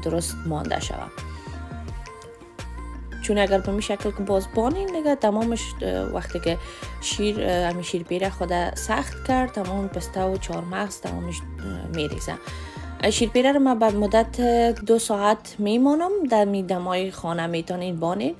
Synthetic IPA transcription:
d̪ʊɾʊst̪mɔ̰nd̪a̰ʃa̰wa̰ | t͡ʃunaɡaɾbamiʃaklkɪbɔzbɔnend̪ɪɡat̪amɔmɪʃwa̰xt̪ɪkɪʃiɾamiʃiɾpeɾaxʊd̪asaxt̪kaɾ̚t̪amɔmpɪst̪awʊt͡ʃʰɔɾmaɣz̥t̪a̰mɔ̰mɪʃmeɾḛz̥a̰ | ʃiɾpeɾaɾamabamʊd̪at̪d̪ʊsɔat̪memɔnʊmd̪amid̪amɔjɪxɔnamet̪ɔnenbɔnen

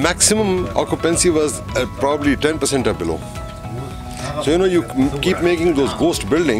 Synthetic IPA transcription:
mæksɪmə̃mɔ̰ːkjupɛ̃nsiʋɔz | pɾɔbəbliʈɛ̃npəsɛ̃ɳʈɔbɪlo̰ː | soːjunoːjukiːpmeːkɪ̃ŋd̪oːzɡoːsʈbɪlɖɪ̃ŋ

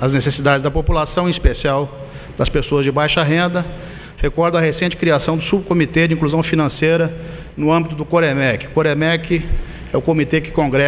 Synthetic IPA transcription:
ɐznesesid̪ad͡ʒɪzd̪ɐpopulasɐ̃w̃ĩispesiaw | d̪̥ɐspesoɐzd͡ʒɪbajʃɐɦẽnd̪ɐ | hekɔɾd̪ɐ̃ɐɦesẽnt͡ʃɪ̥kɾiasɐ̃w̃d̪ʊsubkomit̪ed͡ʒɪĩkluzɐ̃w̃finɐ̃sejɾɐ | nʊɐ̃bit̪ʊd̪ʊkoɾemɛkɪkoɾemɛkɪ | ɛʊkõmit̪ekɪ̥kõɡɾɛ

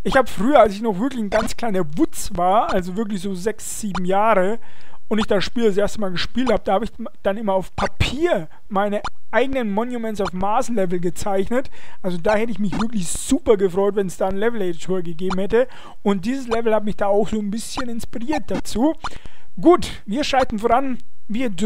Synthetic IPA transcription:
ʔɪçhaːbəfʁ̥yːɐalsɪçnɔχv̥ɪɐklɪçn̩ɡant͡skl̥aɪnɐvʊt͡svaːɐʔalzovɪɐklɪçz̥oːzɛksz̥iːbm̩jaːʁəʊntɪçd̥aʃpiːlas̬ʔeːɐstəmaːlɡəʃpiːlthaːbədaːhaːbəɪç | d̥anʔɪmɐaʊfpʰapʰiːɐ | maɪnəʔaɪɡənənmɔnjumɛnsaʊfmaːslɛvl̩ɡət͡saɪçnətʔalzodaːhɛtəɪçmɪçv̥ɪɐklɪçz̥uːpɐɡəfʁ̥ɔʏtvɛnsd̥aːnlɛvl̩ɛdtʰoːɐɡəɡeːbm̩hɛtə | ʊnt̚d̥iːzəslɛvl̩hatmɪçd̥aːaʊxz̥oːnbɪsçənɪnspiʁiːɐt̚d̥at͡suːɡ̥uːt | viːɐʃʁaltn̩foːʁanviːɐd

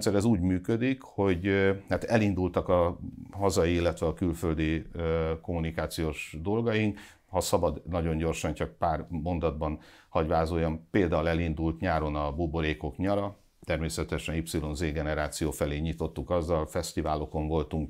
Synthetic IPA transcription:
t̪sɛɾɛzuːɟmyːkød̪ikho̞ɟt̪aːt̪ɛlind̪ult̪ɒkɒɦɒzɒjiilːɛt̪ʋɛɒkylføld̪iøko̞munikaːt̪sijoːʒd̪o̞lɡɒjiŋk | hɒsɒbɒd̪nɒɟo̞ɲɟo̞rʃɒɲt͡ʃɒk̚paːrmo̞nd̪ɒd̪̚bɒnhɒɟʋaːzoːjɒmpeːld̪aːulɛlind̪ult̪ɲaːɾo̞nɒbobo̞ɾeːko̞kɲɒɾɒ | t̪ɛrmeːsɛt̪ɛʃɛnipsilo̞nzeːɡɛnɛɾaːt̪sijoːfɛleːɲit̪o̞t̪ːukɒzːɒlfɛst̪ivaːlo̞ko̞ɱvo̞lt̪uŋk

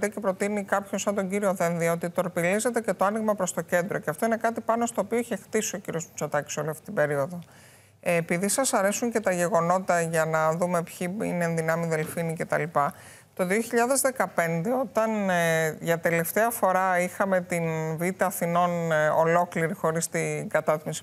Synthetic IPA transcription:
t̪ece̞pɾo̞t̪inikɐpçosɐnd̪o̞ɟiɾioðe̞nðiɐot̪it̪o̞ɾpilize̞t̪e̞ce̞t̪o̞ɐniɣmɐpɾo̞st̪o̞ce̞nd̪ɾo̞ceɐft̪o̞ine̞kɐt̪ipɐno̞st̪oːpio̞içe̞xt̪isio̞ciɾio̞smu̥t͡sot̪ɐci̥so̞liɐft̪i̥t̪ibe̞ɾio̞ðo̞ | piðisɐsɐɾe̞suɲce̞t̪ɐʝe̞ɣo̞no̞t̪t̪ɐʝɐnɐðume̞pçiḭnenðinɐmiðe̞lfinice̞t̪ɐ̰lipɐ | t̪o̞ðio̞çiʎɐðe̞zðe̞kɐpe̞nd̪e̞o̞t̪ɐnʝɐt̪e̞le̞ft̪e̞ɐfo̞ɾɐixɐme̞t̪invit̪ɐːθino̞no̞̰lo̞kliɾixo̞ɾist̪iɡɐt̪ɐt̪imisi̥

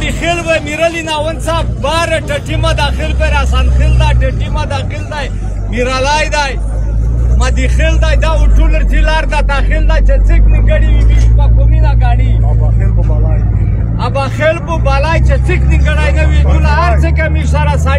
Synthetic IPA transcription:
d̪ixelbɐjmiɾɐlinaːwɐnsaːfbaːɾeʈɐʈimad̪aːxilpeɾasaːnxeld̪aːjʈeʈimad̪aːxild̪aːj | miɾalaːjd̪aːj | mad̪ixeld̪aːjd̪auʈulɐɾt̪ʰilaːɾd̪at̪aːxild̪aːjt͡ʃet͡sikniɡɐɽiwibiʃmakominaɡaːɽi | ɐbaːxelpobalaːjt͡ʃet͡sikniɡɐɽaːjnɐwid͡ʒunaaɾt͡sekɐmiʂaɾasa

